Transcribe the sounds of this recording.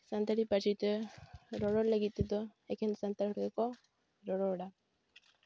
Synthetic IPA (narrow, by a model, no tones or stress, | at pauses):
sant̪aɾipat͡ʃit̪eɾoɾoleɡit̪ed̪oekensant̪aoɾɣeko | ɾoɾoɾa